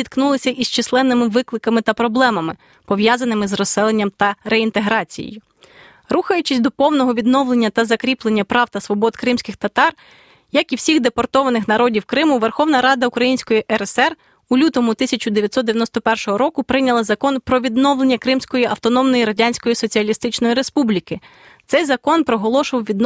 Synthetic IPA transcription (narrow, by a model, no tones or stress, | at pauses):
it̪knulˠɪsʲɐʔist͡ʃɪslˠɛnːɪmɪʋɪklˠɪkɐmɪt̪ɐpɾɔblˠɛmɐmɪ | pɔʋjɑzɐnɪmɪzrɔsɛlˠenʲːɐmt̪ɐɾeint̪eɦɾɑt͡sʲḭjḛjʊ | ruxɐjʊt͡ʃɪsʲd̪ɔpɔwnɔɦɔʋʲid̪nɔwlˠe̞nʲːɐt̪ɐzɐkɾʲiplˠe̞nʲːɐpɾɑwt̪ɐsʋɔbɔd̪kɾɪmsʲkɪxt̪ɐt̪ɑr | jɐkiwsʲiɣd̪epɔrt̪ɔʋɐnɪxnɐɾɔdʲiwkɾɪmʊʋerxɔwnɐɾɑd̪ɐʊkɾɐjinʲsʲkɔjiʔɛɾɛsɛr | ulʲut̪ɔmʊt̪ɪsʲɐt͡ʃʊd̪eʋʲjɐt̪sɔd̪d̪eʋʲjɐnɔst̪ɔpɛrʃɔɦɔɾɔkʊpɾɪnʲɐlˠɐzɐkɔnpɾɔʋʲid̪nɔwlˠenʲːɐkɾɪmsʲkɔjiʔɐwt̪ɔnɔmnɔjiɾɐdʲanʲsʲkɔjisɔt͡sʲiɐlʲist̪ɪt͡ʃnɔjiɾespublʲikɪ | t̪sɛjzɐkɔnpɾɔɦɔlˠɔʃʊʋɐwʋʲid̪n